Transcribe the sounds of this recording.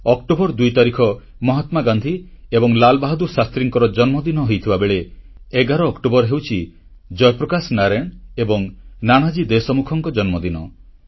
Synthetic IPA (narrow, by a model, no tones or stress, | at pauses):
ɔkʈobɔɾd̪ujt̪aɾikʰɔ | mɔɦat̪maɡand̪ʱiebɔŋlalbaɦɔd̪usast̪ɾiŋkɔɾɔd͡ʒɔnmɔd̪inɔɦojt̪ʰibabeɭe | eɡaɾɔːkʈobɔɾɦewt͡ʃʰi | d͡ʒɔjɔpɾɔkasnaɾeɳebɔŋnaɽ̃ad͡ʒid̪esɔmukʰɔŋkɔd͡ʒɔnmɔd̪inɔ